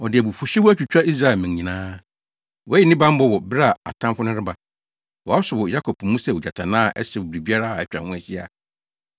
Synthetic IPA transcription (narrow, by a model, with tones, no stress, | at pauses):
ɔ˨dɪ˨æ˨bu˨fʊ˨ɕᶣi˦wʊ˦æ˦t͡ɕᶣu˨t͡ɕᶣa˦i˦s̬ɾa˨ɛ˨mɪ̃˨ɲɲĩ˨nãː˦ | wɔ˨˦jɪ˨nɪ̃˦bã˦m̩˦bɔ˦˨wɔ˨bɪ˦ɾa˦˨a̰˨tʰã˦mfʊ˦nʊ̃˦ɾɪ˦ba˨ | wɔ˨a˦sʊ˨wɔ˨ja˦kʰɔ˨pm˦mũ˦sɛ˨wu˨d͡ʑa˨tʰã˨nãː˦˨ʔɛ̰˦sɛ˨wʊ˨bɪ˨ɾi˨bi˦a˦ɾa˦a˨ɛ˦t͡ɕᶣa̰˨hʊ̃˦æ˨ɕi˦a̰˨